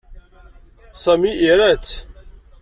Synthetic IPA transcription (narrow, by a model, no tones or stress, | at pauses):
sæmiʔiɾæt͡s